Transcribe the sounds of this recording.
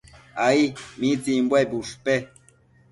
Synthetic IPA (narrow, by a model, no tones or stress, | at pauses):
aimit͡simbwebuʂpe